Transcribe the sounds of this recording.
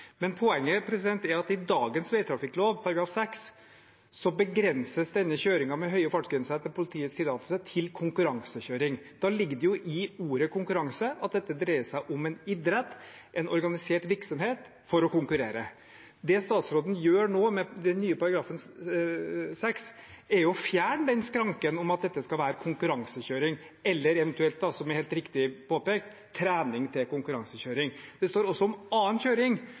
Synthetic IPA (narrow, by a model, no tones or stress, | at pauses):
mɛnpʰɔɛŋːəpʰɾɛsɪd̪ɛnt̪æɾɑt̪ɪd̪ɑːɡənsʋɛɪt̪ʰɾɑfɪkloːʋpʰɑɾɑɡɾɑːfsɛks | sɔbəɡɾɛnsəsd̪ɛnːəɕøːɾɪŋɑmɛɦœʏəfɑʂkɪnsɑt̪ːəpʰʊlɪt̪ʰiːət̪st̪ɪlːɑːt̪lsət̪ʰɪlkʰʊŋkʉɾɑŋsəɕøːɾɪŋd̪̥ɑːlɪɡd̪əjʊʔɪuːɾəkʰʊŋkʉɾɑŋsəɑt̪̚d̪ɛt̪ːəd̪ɾeɪəsæɪʔɔmɛnɪd̪ɾɛt̪ː | ʔɛnɔɾɡɑnɪseːʈʋɪɾksɔmheːt̪ | fɔɾɔkʊŋkʉɾḛːɾə | d̪ɛst̪ɑːt̪sɾoːd̪n̩jøːɾɳoːmɛd̪ɛnːyːəpɑɾɑɡɾɑːfən | sɛksɛɾjʊfjæːɳəd̪ɛnskɾɑŋkənɔmɑt̪̚d̪ɛt̪ːəskɑlʋæːɾəkʰʊŋkʉɾɑŋsəɕøːɾɪŋ | ɛlːəɾɛʋɛnt̪ʉɛlt̪̚d̪ɑsɔmɛɾheːlt̪ɾɪkt̪ɪpʰoːpeːkt̪ʰːɾæːnɪŋt̪ʰɪlkʊŋkʉɾɑŋsəɕøːɾɪŋd̪̥ɛst̪oːɾɔsːɔɔmɑːənɕøːɾɪŋ